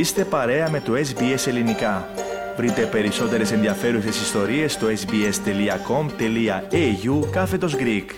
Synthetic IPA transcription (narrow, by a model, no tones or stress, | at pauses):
ist̪e̞pɐɾe̞ɐme̞t̪ue̞sbie̞se̞linikɐ | vɾit̪e̞pe̞ɾiso̞t̪e̞ɾe̞se̞nðiɐfe̞ɾuse̞sist̪o̞ɾie̞st̪oe̞sbie̞st̪e̞liɐko̞mt̪e̞liɐeʝukɐfe̞t̪o̞zɡɾik